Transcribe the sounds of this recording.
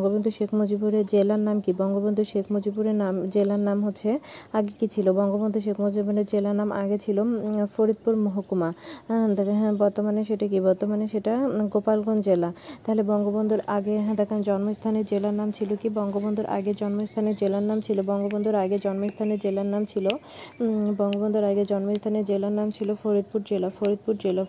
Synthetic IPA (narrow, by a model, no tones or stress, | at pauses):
ŋɡobond̪ʱuʃekʰmod͡ʑibuɾeɾd͡ʑelaɾnamkibɔŋɡobond̪ʱuʃekʰmod͡ʑibuɾeɾnamd͡ʑelaɾnamɦotːɕʰeaɡekit͡ɕʰilobɔŋɡobond̪ʱuʃ̬ekʰmod͡ʑibʱoneɾd͡ʑelanamʔa̰ɡet͡ɕʰilofoɾid̪̚puɾmoɦokumad̪ɦɛ̃bɔɾt̪omaneʃeʈak̬ibɔɾt̪omaneʃeʈaɡopalɡond͡ʑelat̪aɦolebɔŋɡobond̪ʱuɾaɡeɦɛ̃d̪ɛkʰand͡ʑɔnmost̪ʰaned͡ʑelanamt͡ɕʰilokibɔŋɡobond̪ʱuɾʔa̰ɡed͡ʑɔnmost̪ʰaned͡ʑelaɾnːamt͡ɕʰilobɔŋɡobond̪ʱuɾaɡed͡ʑɔnmost̪ʰaned͡ʑelaɾnːamt͡ɕʰilo | bɔŋɡobond̪ʱuɾaɡed͡ʑɔnmost̪ʰaned͡ʑelanːamt͡ɕʰilofoɾid̪̚puɾd͡ʑelafoɾid̪̚puɾd͡ʑela